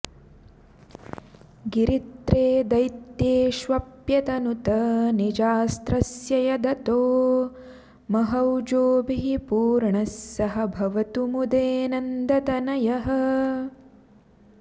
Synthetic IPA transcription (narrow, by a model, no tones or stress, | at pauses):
ɡiɾit̪ɾeːd̪ɐjt̪jeːʃʋɐpjɐt̪ɐnut̪ɐnid͡ʒaːst̪ɾɐsjɐjɐd̪ɐt̪oː | mɐɦɐwd͡ʒoːbiɦipuːɾɳɐsjɐɦɐbʱɐʋɐt̪umud̪eːnɐnd̪ɐt̪ɐnɐjɐɦɐ̆